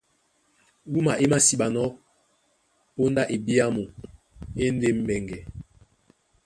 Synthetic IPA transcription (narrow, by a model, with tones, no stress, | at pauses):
wu˦ma˨ʔe˦ma˦si˨ɓa˨nɔ˦ | o˦nda˦ʔe˨bi˦a˦mo˨ | e˦n˦de˦m˦bɛ˨ŋɡɛ˨